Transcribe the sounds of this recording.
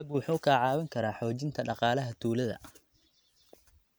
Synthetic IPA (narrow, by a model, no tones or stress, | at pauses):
ɐbwʊħuːkʰaːʕɑːwɐŋkʰɐɾaːħɔːt͡ʃɪnt̪ʰɐɖɑqɑːlɐɦɐt̪ʰuːlɐðɐ̰